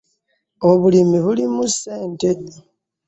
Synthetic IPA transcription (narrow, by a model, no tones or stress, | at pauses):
o̞βulimiβulimuseːnte̞di